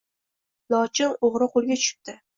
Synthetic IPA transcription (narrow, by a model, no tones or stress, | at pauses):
nɒt͡ʃʰɪŋoʁɾɪqʰolˠɡʲat͡ʃʰʊ̥ʃɪ̥p̚t̪ɪ